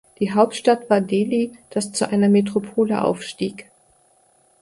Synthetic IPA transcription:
d̥iːɦaʊptʃtatv̥aːɐdeːliːd̥ast͡suʔaɪnɐmetʁ̥opʰoːləʔa̰ʊfʃtiːk

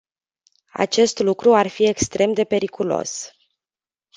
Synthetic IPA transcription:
a̰t͡ʃe̞st̪lukɾuarfie̞kst̪ɾʔe̞md̪e̞pe̞ɾikulo̞̰s

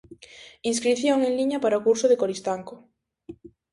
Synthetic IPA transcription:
ins̬kɾiθjoŋeŋliɲapaɾaokuɾsʊðekoɾist̪aŋko

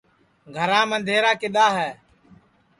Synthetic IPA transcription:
ɡʱəɾãːmənd̪ʱeːɾaːkɪɗ̪aːɦɛː

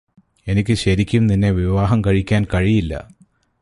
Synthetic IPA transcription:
e̞nikʲːɨɕɐɾikʲːumninːe̞ʋiʋaːɦɐmkɐɻikʲːaːnkɐɻijilːɐ̰

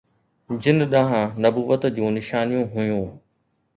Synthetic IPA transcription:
d͡ʑɪn̆ɗɐɦãnɐbuːʋət̪d͡ʑũːnɪʃaːnijũɦʊjũː

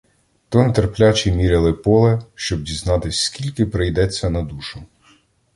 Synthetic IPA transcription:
t̪ɔnt̪erplʲat͡ʃimʲiɾʲɪlˠɪpɔlˠɛʃt͡ʃɔb̚dʲiznɑt̪ɪsʲskʲilʲkɪpɾejd̪ɛt͡sʲːɐnɐd̪uʃʊ

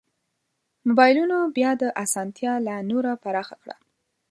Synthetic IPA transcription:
mobɑjlunobjɑd̪əʔasɑnt̪jɑlanoɾapaɾɑxakɽa̰

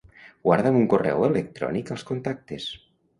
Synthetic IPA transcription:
ɡwaɾðəmuŋkorɛ̰welek̚t̪ɾɔ̰nikəlˠskont̪ak̚t̪es

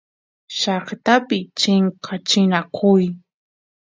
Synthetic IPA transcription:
ʃɑχt̪apɪt͡ʃɪɴqʰɑt͡ʃɪnakʰʊj

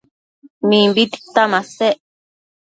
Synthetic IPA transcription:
mĩmbit̪i̥t̪amãseʔ

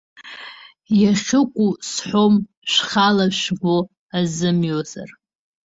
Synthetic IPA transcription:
jaʃᶣʊkʷʼusħʷom | ʃχalaʃbo | azɨmjoza̰r

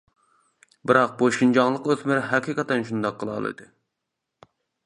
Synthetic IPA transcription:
bɨɾɑq̚boʃind͡ʒɑŋlˠəqøzmɪɾɦɛqʰiqɛt̪ɛnʃund̪ɑqʰːəlˠɑ̰lˠɨ̰d̪ɨ

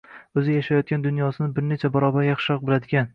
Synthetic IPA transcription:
ɵzɪjaʃajɒt̪̚kʲand̪ʊnjɒsɪnɪbɪɾnet͡ʃʰabɒɾɒbaɾjɑχʃɪhɒq̚bɪlad̪ɪɡʲan

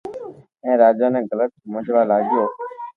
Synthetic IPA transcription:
ẽːɾaːd͡ʒaːnẽːɡələt̪̚smə̃d͡ʒʋaːlaːɡɪjoː

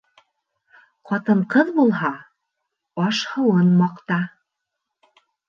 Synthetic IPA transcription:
qɑt̪ɤɴqɤðbulˠɦɑ | ɑʃhɤ̆wɤnmɑqt̪ɑ

